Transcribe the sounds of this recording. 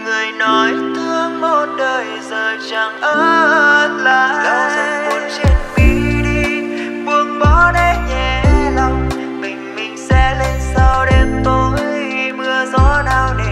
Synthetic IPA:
ŋɨ˨˩əjnɔ˨˦jt̪ʰɨ˧əŋmo˧˨˩t̚ɗəː˨˩jzəː˨˩t͡ɕa˨˩ŋʔəː˧˦t̚laː˨˩a˧˨u˧nt͡ɕi˧ənɓi˨˧ɗi˧ku˧˩əŋ̚ɓɔ˨˦ɗe˧ɲɛ˨˩˧lə˧wŋ͡m | mï˨˩ŋ̟mï˨˩ŋ̟sɛ̰˧˥le˧nsaː˧wɗe˧nt̪o˧jmɨ˧əzɔ˧˦naː˧˩wɗi˧˩

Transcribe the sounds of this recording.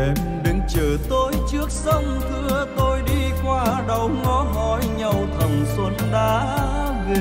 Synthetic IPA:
e˨˩m | ɗɨ˨˧˥ŋt͡ɕəː˨˩t̪o˧˦jt͡ɕɨ˦˥ək̚sə˧wŋ͡mt̪ʰɨ˧ət̪o˧jɗi˧kwaː˧ɗə˨˩wŋɔ˨˦ɦɔ˧˩˦jɲə˨˩wt̪ʰə˨˩ŋ͡mswə˨˦nɗaː˨˦ | vi˨

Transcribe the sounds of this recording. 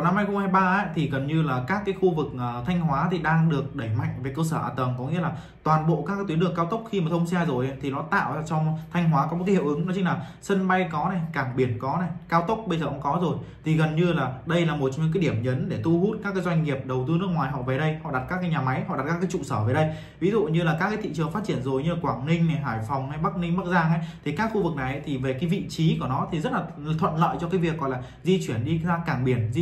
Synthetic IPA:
wna˧mha˧jxə˧ŋ͡mhaː˧jɓaː˧ʔa˨˦˥t̪ʰi˨˩ɣə˨˩nɲɨ˧laː˨˩kaː˦˥kːaː˨˦jxu˧vɨ˨˩k̚ʔəː˨˩t̪ʰa˧jŋ̟ɦwaː˨˦t̪ʰi˨˩ɗaː˧ŋɗɨ˨˩ək̚ɗə˧˩jma̰˧˨jŋ̟veː˨˩˦jkəː˧səː˧˩ʔaː˨˩t̪ə˨˩nkɔ˨˦ŋḭ˧˥əlaː˨˩ | t̪waː˨˩nɓo̰˧˨kaː˦˥k̚a˨˦t̪wi˨˦nlɨ˨˩əŋkaː˧wt̪ə˦˥k͡p̚xi˧maː˨˩t̪ʰə˧wŋ͡msɛ˧zo˨˩jʔa˨˦t̪ʰi˨˩nɔ˨˦t̪a̰ː˧˨wa˧t͡ɕɔ˧wŋ͡mt̪ʰa˧jŋ̟ɦwaː˨˦kɔ˨˦o˨˩t̚kːhḭ˧˨wʔɨ˨˦ŋn˨˦t͡ɕï˧˦ŋlaː˨˩sə˧nɓa˧jkɔ˨˦na˨˩jkaː˧˩ŋɓi˧˩ənkɔ˨˦na˨˩jkaː˧wt̪ə˦˥k͡p̚ɓə˧jzəː˨˩ʔə̰˧˦kɔ˨˦zo˨˩jt̪ʰi˨˩ɣə˨˩nɲɨ˧laː˨˩ɗə˧jlaː˨˩mo˨˩t̚t͡ɕŋ͡mɲɨ̰˧˥k̬aː˨˦jɗi˧˩əmɲə˨˦nɗe˧˩t̪u˧hu˦˥t̚kaː˦˥kːaː˨˦jzwa˧jŋ̟ŋi˨˩əp̚ɗə˨˩wt̪ɨ˧nɨ˦˥ək̚ŋwaː˨˩jɦɔ̰˧˨ve˨˩ɗə˧jhɔ̰˧˨ɗa˨˩t̚kaː˦˥kːaː˨˦jɲaː˨˩ma˨˦jɦɔ̰˧˨ʔa˨˩t̚kaː˦˥kːaː˨˦jt͡ɕṵ˧˨səː˧˩vəː˨˦jɗə˧j | vi˨˦zṵ˧˨ɲɨ˧laː˨˩kaː˦˥kaː˨˦jt̪ʰḭ˧˨t͡ɕɨ˨˩əŋfa˦˥t̚t͡ɕi˧˩ənzo˨˩jɲɨ˧laː˨˩kwaː˧˩ŋnï˧ŋ̟na˨˩jɦaː˧˩jfɔ˨˩wŋ͡mha˧jɓa˦˥k̚nï˧ŋ̟ɓa˦˥t̚zaː˧ŋha˨˦jt̪ʰi˨˩kaː˦˥kxu˧vɨ˨˩k̚na˨˩jʔa̰˨˦t̪ʰi˨˩ve˨˩kaː˨˦jvḭ˧˨t͡ɕi˨˦ku˧˩ənɔ˨˦t̪ʰi˨˩zə˦˥t̚laː˨˩˨t̪ʰwə̰˧˨nlə̰ː˧˨jt͡ɕɔ˧kaː˨˦jvi˨˩ək̚ːɔ̰˧˨laː˨˩zi˧t͡ɕwi˧˩ənɗi˧zaː˧kaː˧˩ŋɓi˧˩ən˧

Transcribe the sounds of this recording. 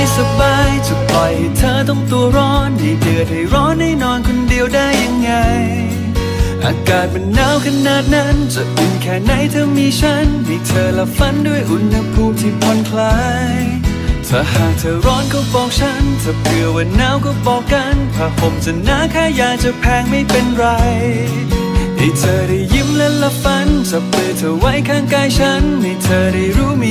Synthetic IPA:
jsa˧baː˧jt͡ɕa˨˩pa˧jht̪ʰaː˧˩t̪ɔ˥˩ŋt̪u˧əɾɔː˦˥nːi˧˩dɯː˨˧ət̪̚ha˧˩jɾɔː˦˥nːaː˥˩jnɔː˧nkʰo˧ndi˧əwdaː˥˩jːa˧ŋːa˧j | ʔa̰ː˧kaː˨˩t̪̚ma˧nːaː˦˥wkʰa˧naː˨˩t̪̚na˦˥nt͡ɕa˧˩ʔi˧nkʰɛː˧˩na˧˥˩jt̪ʰɤː˧˥miː˧t͡ɕʰa˦˥nmiː˧t̪ʰəː˧la˧˥fa˧˥ndu˥˩əjʔu˧˥nha˧pʰuː˧t̪ʰi˧p̚kʰɔ˧nkʰlaː˧˦˥ | jj | t̪ʰa˧˩haː˨˩k̚t̪ʰɤː˧ɾɔː˧˥nkɔː˧˩fɔː˧k̚t͡ɕʰa˦˥nt͡ɕa˨˧˩plɯ˧əwa˧nːaː˦˥wkɔː˧˩bɔː˨˧kːa˧np̪ʰaː˧˩pʰo˨˦mt͡ɕa˧˩naː˧˥kʰaː˧˩jaː˨˧˩ŋ̚t͡ɕa˧˨pʰɛː˧ŋma˥˩jpe˧nɾa˧j | ha˧˩t̪ʰɤː˧˩ɾa˧˩jːi˧˥˩mlɛ˧˥la˧fa˧˥nt͡ɕa˧˩plɯ˧ət̪ʰəː˧wa˦˥jkʰaː˧˩ŋkaː˧jt͡ɕʰa˦˥nma˧˩t̪ʰɤː˧ɾa˧˩jɾuː˦˥mː˧

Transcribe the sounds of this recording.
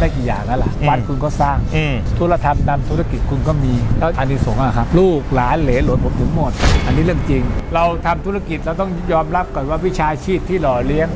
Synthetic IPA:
daː˥˩ki˨˩ja̰ː˨˩ŋna˦˥la̰˨˩wa˧nkʰu˧nkɔː˥˩saː˥˩ŋ˧t̪ʰu˧˦la˧˩t̪ʰa˧mt̪ʰa˧mt̪ʰu˦˥ɾa˧˩ki˨˩t̪̚kʰu˧nkɔː˥˩miː˧lɛː˦˥wʔa˧nːiː˦˥˩so˨˩˦ŋʔa˨˩kʰa˦˥p̚luː˥˩k̚laː˨˦nleː˨˩˦lo˨˦npʰo˨˦mt̪ɯ˩˦ŋmo˨˩t̪̚ʔa˧nːiː˦˥lɯ˥˩əŋt͡ɕi˧ŋɾa˧wt̪ʰa˧mt̪ʰu˦˥ɾa˧ki˨˩t̪̚ɾa˧wt̪ɔ˥˩ŋjɔː˧mɾa˦˥p̚kɔ˨˩t̪waː˥˩wi˦˥˩t͡ɕʰaː˧t͡ɕʰiː˥˩p̚t̪ʰːiː˥˩lɔː˨˩li˦˥əŋ

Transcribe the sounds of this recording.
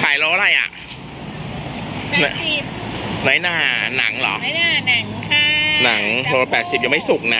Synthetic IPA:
kʰaː˨˩˦jloː˧ʔa˧ɾa˧jʔa̰˨˩ʔ | nɔː˦˥jnaː˧na˩˦ŋlɔː˩˦a˧na˩˦ŋkʰa˥˩na˩˦ŋʰoː˧pɛː˨˩t̪̚si˨˩p̚jaː˧ma˥˩jsu˨˩k̚na˦˥

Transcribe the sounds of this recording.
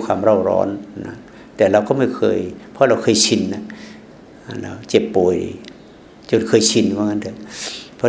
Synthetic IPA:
kʰwaː˧˨mɾa˧˩wɾɔ̰ː˧˥nna̰˧˦ | t̪ɛː˨˩la˧˩wkɔ˧˩ma˧˩jkʰɤː˧˨jpʰɔ˧˦ɾa˧˩wkʰɤː˧˨jsʰi˧˩nna˧˩ | a˧˨la̰˧˩wt͡ɕe˧˩pːoː˨˩˨j | t͡ɕo˧˨nkʰɤː˧˨jsʰi˧˩n˧aː˧˨ŋa˧˥˨dʰɯ˧˦pʰɔ˧

